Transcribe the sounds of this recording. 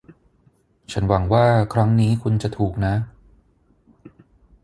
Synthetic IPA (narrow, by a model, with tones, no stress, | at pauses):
t͡ɕʰa˦˥nwa˩˦ŋwaː˥˩kʰɾa˦˥ŋniː˦˥kʰu˧nt͡ɕa˨˩t̪ʰuː˨˩k̚na˦˥